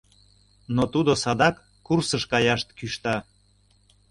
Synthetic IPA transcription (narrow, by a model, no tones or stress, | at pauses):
not̪ud̪osɑd̪ɑkːursəʃkɑjɑʃt̪kyʃt̪ɑ